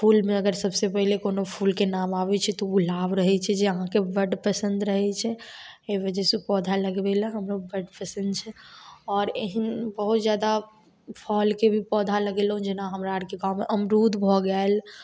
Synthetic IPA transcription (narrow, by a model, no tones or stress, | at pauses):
pʰulmeəɡəɾsəbsepəɦilekonopʰulkenamabɛt͡ʃʰɛt̪ɔɡulabɾəɦɛt͡ʃʰɛd͡ʒeəɦãkebəɖpəsənd̪ɾəɦɛt͡ʃʰɛeʋəd͡ʒɛsepɔd̪ʱaləɡebelə̃ɦəmɾobəɖpəsə̃nd̪t͡ʃʰɛɔːɾeɦənbəɦut̪d͡ʒjad̪a | pʰɔlkebʱipɔd̪ʱaləɡelɦũd͡ʒenaɦəmɾaɽkeɡãwmeʔəmɾud̪bʱɔɡɛel